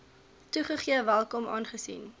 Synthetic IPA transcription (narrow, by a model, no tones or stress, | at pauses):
tuχəχiəvælˠkɔmʔɑ̰ːnχəsḭn